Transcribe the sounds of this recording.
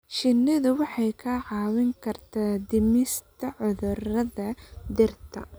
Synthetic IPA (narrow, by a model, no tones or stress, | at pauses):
ʃɪnːɪðʊwɑħɑjkʰɐʕɑːwɪŋkʰɐrt̪ʰaːd̪ɪmɪst̪ʰɐʕʊðʊrɐðɐd̪ɪrt̪t̪ʰɐ̰